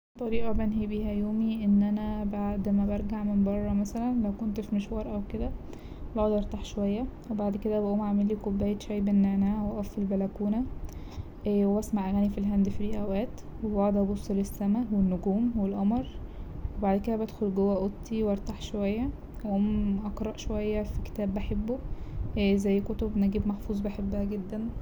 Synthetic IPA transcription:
t̪ˤːɑɾiːʔɑbænɦebihæjoːmiʔenːʔænæbaʕd̪mæbæɾˤɡaʕmembɑrˤːɑmæsælænlæwkont̪fimeʃwɑːɾˤʔæwked̪æ | bod̪ʔɑɾˤt̪aħʃowæjːæwebaʕd̪ked̪æbæʔuːmʕamelikobːæːjet̪ʃæjbenːeʕnæːhæweʔɑfːilbælækuːnæ | ʔwebæsmaʕʔæɣæːnifilɦænd̪fiɾiʔæwʔæːt̪webɑʕd̪ɑbosˤːelesːæmæwenːoɡuːmwelʔɑmɾˤwebaʕd̪ked̪æbæd̪xolɡowːæʔot̪ːiwɑɾˤt̪ɑħʃowæjːæ | ʔæʔoːmʔɑqɾˤɑʔʃowæjːæfike̥t̪æːbːæħebːo | zæjːkot̪obnæɡiːbmæħfuːzˤbæħebːæhæɡed̪ːæn

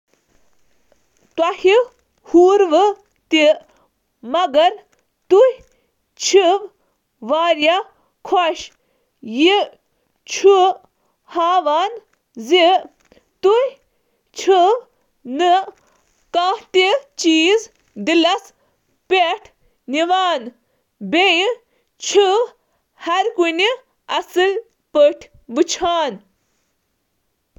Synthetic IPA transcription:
t̪wɐhi | huːɾʋɨ | t̪i | mɐɡɐɾ | t̪uh | t͡ʃʰiʋ | ʋaːɾja | kʰoʃ | ji | t͡ʃʰu | haːʋaːn | zi | t̪uhʲ | t͡ʃʰu | nɨ | kãːt̪it͡ʃiːz | d̪ilɐs | peʈʰ | niʋaːn | beji | t͡ʃʰu | hɐɾkuni | ɐsɨl | pəʈʰ | bɨt͡ʃʰaːn

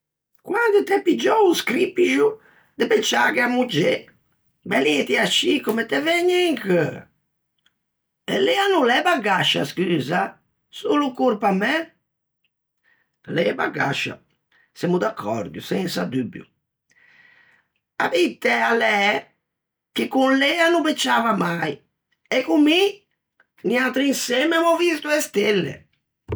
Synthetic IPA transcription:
kwand̪ut̪ɛpːid͡ʒɔuskɾipːiʒu | d̪ɛpɛt͡ʃːaɣɛamːud͡ʒɛ | bɛliɛt̪iaʃikɔmɛt̪ːɛvɛɲːɛŋkə | ɛlɛanulɛbaɡaʃːa̰skyːza | sulukuɾpamɛ | lɛba̰ɡa̰ʃa̰ | sɛmud̪akʰːɔɾd̪jusɛnsad̪ybjṵ | a̰bit̪ɛalɛ | kɪkunleanupet͡ʃːavamaj | ekumi | niat̪ɾinsɛmɛmɔvist̪uɛst̪elːḛ

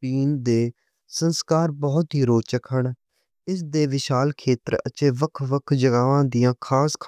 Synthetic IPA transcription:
piːnd̪eː | sənskaːɾbɔːt̪ɦiːɾoːt͡ʃəkɦəɳ | ɪs̬d̪eːʋɪʃaːlkʰeːt̪əɾə̰t͡ʃeːʋəkʰʋəkʰd͡ʒəɡaːʋãːd̪ijãːkʰaːskʰ

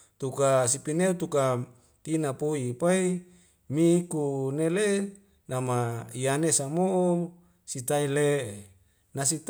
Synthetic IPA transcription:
t̪ukasipineut̪uka | t̪inapoipai | mikunele | namaijanesamo | sit̪aile | nasit̪

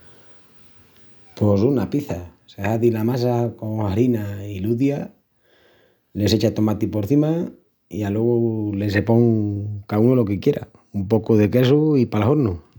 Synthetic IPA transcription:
po̞sunapiθasehaðilamas̬ako̞ŋaɾinailuðja | le̞se̞t͡ʃat̪o̞mat̪ipo̞ɾθima | ialwe̞ɣole̞se̞po̞ŋkaunolo̞kekje̞ɾa̰ | umpo̞koðe̞ke̞soipalahoɾno

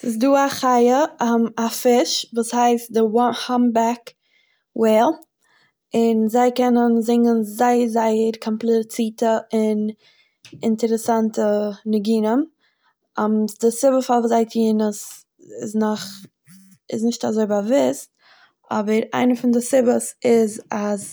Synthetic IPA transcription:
sɪs̬duːaχaɪəhɔmafɪʃvuːshaɪst̚dɪwɔhɔmbak | wɛɪlˠ | ɪnzaɪkɛnənzɪŋɡənzaɪəzaɪəɾkʰɔmplˠɪt͡siːtəɪn | ɪntəɾəsantənɪɡiːnəm | ɔmsdɪsɪbəfalˠvuːzaɪtiːnəs | ɪ̰snɔχ | ɪsnɪʃtazoɪbavɪst̚ | ɔbəɾa̰ɪnəfɪndɪsɪbəsɪzaz

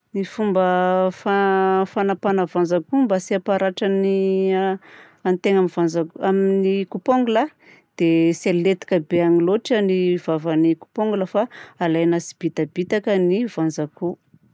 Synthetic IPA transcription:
nifumbəfafanapanavanzakumbasiapaɾaʈ͡ʂani | ant̪eŋamivanzakaminikupoŋɡula | d̪̥eselet̪i̥kəbeaŋiloʈ͡ʂanivavaniku̥poŋɡuləfaalajnasi̥b̥it̪abit̪akənivand͡zaku

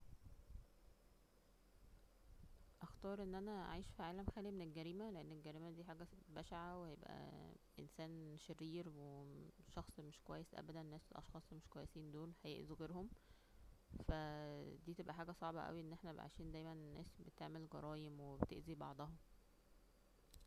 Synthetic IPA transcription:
ʔæxt̪ɑːɾˤʔenːʔænæ̰ʕiːʃfiʕaːlæmxæːlimenelɡæɾiːmæleʔenːelɡæɾiːmæd̪iːħaːɡæbæʃaʕawehæjebʔæ̰ʔensæːnʃerːiːɾweʃɑxsˤmeʃkowæjːesʔæ̰bæd̪ænːæːselʔɑ̰ʃxɑːsˤmeʃkowæjːesiːnd̪oːlhæjḛʔzuɣeːɾhom | fæd̪iːt̪ebʔæħaːɡæsˤɑʕbɑʔæ̰wiʔenːʔeħnæʕa̰jʃiːnd̪æːjmænnːæːsbet̪eʕmelɡɑ̰ɾˤɑːjemwebet̪ḛʔzibɑ̰ʕd̪ˤɑhom

